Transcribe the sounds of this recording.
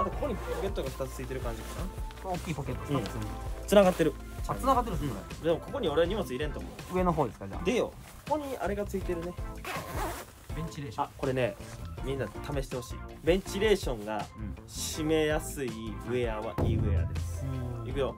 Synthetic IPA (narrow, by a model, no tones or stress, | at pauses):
d̪ãkako̞ko̞ɲ̟ippoke̞t̪ːoɡaɸɯ̥t̪at͡sɨ̥t͡sɨit̪̬e̞ɾɯ̟kãɲ̟d͡ʑikana̰okʲːiːpoket̪ːõ̥ɴsɨt͡sɨnaɡat̪ːeɾɯ̟ | at͡sɨnaɡat̪ːeɾɯsoɾedd̪e̞mo̞ko̞ko̞ɲ̟io̞ɾe̞aɲ̟imo̞t͡sɨiɾẽ̞nt̪omo̞̰ɯ̟e̞noɦoːd̪e̞sɨ̥kad͡ʑa̰d̪ejo̰kko̥ko̞ɲ̟ia̰ɾe̞ɡat͡sɨit̪e̞ɾɯ̟ne̞ | bẽɲt͡ɕiɾeako̞ɾe̞ne̞mʲĩnːat̪ʰame̞ɕi̥t̪e̞ho̞ɕḭːbẽɲ̟t͡ɕiɾe̞ːɕõ̞ŋɡaɕime̞jasɨiɯ̟e̞aβa̰ʔiːɯ̟e̞̰a̰d̪esɨ̥iɡiɾo